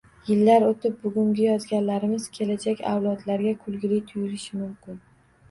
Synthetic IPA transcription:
jɪlːaɾot̪ʰɪp̚bʊɡʲʊŋɡʲɪjɒzɡʲanlaɾɪmɪz̥kʲʰe̞lad͡ʒakʲa̰wlˠɒd̪laɾɡʲakʰʊlˠɡʲɪlɪjt̪ʰʊjɪɾɪʃɪmʊmkʲɪn

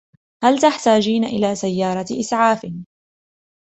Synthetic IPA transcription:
halt̪aħt̪aːd͡ʒiːnaʔɪlaːsajːɑːɾˤɑʔɪsʕaːfɪ

